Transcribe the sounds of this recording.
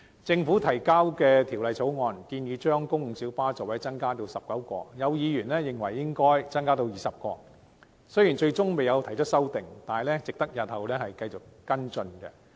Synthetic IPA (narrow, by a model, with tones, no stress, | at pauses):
t͡sɪ˧ŋfu˨˥t̪ʰɐ˨˩jkaː˥wkɛː˧t̪ʰi˨˩wlɐ˨jt͡sʰo˨˥wŋɔː˧nkiː˧njiː˨˧t͡ʃœː˥ŋkʊ˥ŋ̩˨˩siː˨˥wpaː˥t͡sɐ˨wɐ˨˥jt͡sɐ˥nkaː˥t̪̬o˧wsɐ˨p̚kɐ˨˥wkɔ̰ː˧jɐ˨˧wjiː˨˧jyː˨˩nlɛː˥jɪ˨ŋwɐ˨˩jːɪ˥ŋkɔː˥jt͡sɐ˥nkaː˥t̪o˧wjiː˨sɐ˨p̚kɔ̰ː˧ | sɵ˥ɥji˨˩nt͡ʃɵ˧ɥt͡sʊ˥ŋme˨jɐ˨˧wt̪ʰɐ˨˩jt͡ʃʰt̚sɐ˥wt̪ɪ˨˩ŋt̪aː˨lɛː˥t͡sɪ˨k̚t̪ɐ˥k̚jɐ˨t̚hɐ˨wlɛː˥hɐ˨jkɐ˧jt͡sʊ˨˩k̚kɐ˥nt͡sɵ˧nkɛ̰˧